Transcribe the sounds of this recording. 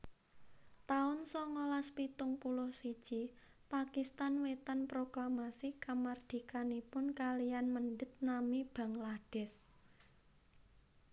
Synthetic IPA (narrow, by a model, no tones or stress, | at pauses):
t̪aʊnsɔŋolaspit̪ʊŋpulʊhsid̥ʒ̥i | pakist̪anwet̪ənpɾoklamasikamard̪̥i̤kanipʊnkalijanmənɖət̪̚namib̥ä̤ŋlaɖ̥ɛ̤s